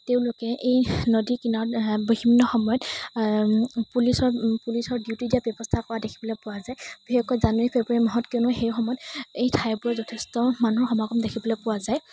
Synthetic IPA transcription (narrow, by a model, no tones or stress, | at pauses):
teʊ̃lʊkɛʔejnodikinɔboɦimːɔxɔmɔjɔt | pulisɔɹpulisɔɹdiʊtidijabjɛbɔstʰakɔwadekʰibɔlɔpʊwazajbixekɔɔzanuɹipʰebɹimɔɦɔtkeʊnʊxejxɔmɔjɔtejtʰajbuɹɛzɔtʰestɔmanuɦɔxɔmaɡɔmdekʰibɔlɔpʊwazaj